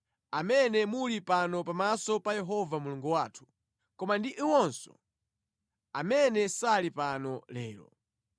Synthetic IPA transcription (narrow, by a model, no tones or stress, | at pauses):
amɛnɛmulipanɔpamasɔpajɛɦɔvamuluŋɡuwaːtʰu̥ | kɔmandiʔiwɔnsɔ̰ | amɛnɛsalipanɔlɛːlɔ̰